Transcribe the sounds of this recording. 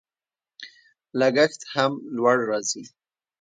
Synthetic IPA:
laɡaxt̪hamlwaɽɾɑzi

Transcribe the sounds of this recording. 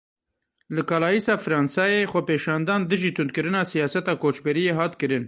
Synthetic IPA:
lɨkɑːlɑːjiːsɑːfɾɑːnsɑːjeːxʷɛpeːʃɑːnd̪ɑːnd̪ɨʒiːt̪ʰʊnd̪̚kɨɾɨnɑːsijɑːsɛt̪ɑːkoːt͡ʃbɛɾijeːɦɑːt̪kɨɾɨn

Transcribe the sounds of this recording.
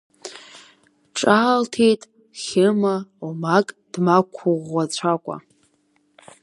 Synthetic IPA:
ʈ͡ʂʼaːltʰejtʼ | χʲɪmaumakʼd̥makʷʰʊʁːat͡ɕʷʰakʷʼa̰

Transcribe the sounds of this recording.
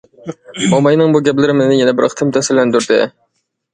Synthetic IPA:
ɑmɑjnɨŋbuɡʲɛplɪɾɪmɪnɪjɛnɛbɪɾqʰt̪ʰɨmt̪ʰɛsɪlɛnd̪yɾd̪ɪ̰

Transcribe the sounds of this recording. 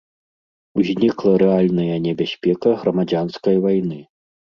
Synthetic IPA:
uzʲnʲiklˠɐɾɛalʲnɐjɐnʲɛbʲasʲpʲɛkɐɣɾɐmad͡zʲanskɐjvajnɨ

